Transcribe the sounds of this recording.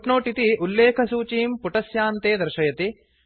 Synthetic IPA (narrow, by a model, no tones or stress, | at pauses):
ʈnoːʈit̪iʔulːeːkʰɐsuːt͡ʃiːmpuʈɐsjaːnt̪eːd̪ɐɾʃɐjɐt̪i